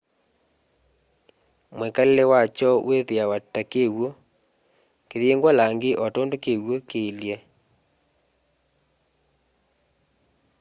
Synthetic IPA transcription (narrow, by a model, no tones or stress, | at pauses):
mwekalelɛwat͡ʃɔweðeawatakeɣwo | keðeŋɡwalaŋɡeʔɔtɔndokeɣwokeljɛ